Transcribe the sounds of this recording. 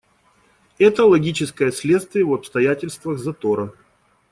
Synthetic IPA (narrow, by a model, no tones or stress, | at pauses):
ɛt̪əlˠɐɡʲit͡ɕɪskəjəsʲlʲe̞t̪st̪vʲɪjəvɐpst̪ɐjætʲɪlʲst̪vəɣzɐt̪oɾə